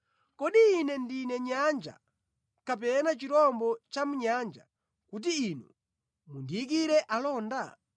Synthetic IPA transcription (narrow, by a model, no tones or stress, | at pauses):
kɔɗiːnɛndinɛɲand͡ʒa̰ | kap̬ɛnat͡ʃiɾɔmbɔt͡ʃamuɲand͡ʒa̰ | kut̬iinṵ | mundiik̬iɾɛʔalɔːnda